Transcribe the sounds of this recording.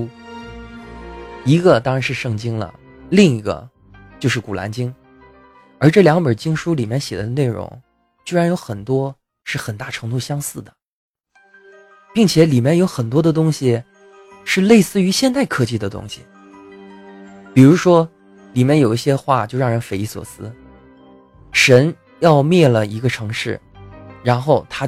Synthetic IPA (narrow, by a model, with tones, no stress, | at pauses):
i˧˥ɡə˧t̪ɑ˥ŋɻa˧˥nʂɻ̩˥˧ʂɤ˥˩ŋt͡ɕi˥ŋlə̰˨ | li˥˩ŋi˧˥ɡə̰˧ | t͡ɕjo˥˧ʊʂɻ̩˥˩ku˨˩lʔa̰˧˥nt͡ɕi˥ŋ | ə˞˧˥ʈ͡ʂɤ˥˩ljɑ˧˥ŋmə˞˨˩t͡ɕi˥ŋʂu˥li˨˩mjɛ˥˩nɕjɛ˨˩d̪ə˦də˦ne˥˩ɪɻʊ̰˧˥ŋ | t͡ɕy˥˩ɻa˧˥njo˧˥ʊxə˨˩nt̪wɔ˥ | ʂɻ̩˥˩xə˨˩nt̪a˥˩ʈ͡ʂʰɤ˧˥ŋt̪u˥˩ɕjɑ˥ŋsɹ̩˥˩d̪ə˩ | pi˥˩ŋt͡ɕʰjɛ˧˥li˨˩mʲjɛ˥˩njo˧˥ʊxə˨˩nt̪wɔ˥d̪ə˨t̪ʊ˥ŋɕi˨ | ʂɻ̩˥˧le˥˧ɪsɹ̩˥˩y˧˥ɕjɛ˥˧nt̪a˥˩ɪkʰɤ˥˧t͡ɕi˥˩d̪ə˩t̪ʊ̰˥ŋɕḭ˨˩ | pi˨˩ɻu˧˥ʂwɔ˥ | li˨˩mjɛ˥˩njo˨˩ʊi˥˩ɕjɛ˥xwa̰˥˧t͡ɕjo˥˧ʊɻɑ˥˩ŋɻə˧˥nfe˧˥ɪi˧˥swɔ̰˨˩sɹ̩˥ | ʂə˧˥n | jɑ˥˧ʊmjɛ˥˩lə˩i˧˥ɡə˧ʈ͡ʂʰɤ˧˥ŋʂɻ̩˥˩ | ɻa˧˥nxo˥˩ʊt̪ʰa˥